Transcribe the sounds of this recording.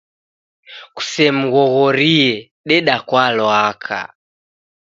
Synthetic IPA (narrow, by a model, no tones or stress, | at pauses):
ku̥sɛm̩ɣɔɣɔɾiɛ | ɗɛɗakwalɔakʰa̰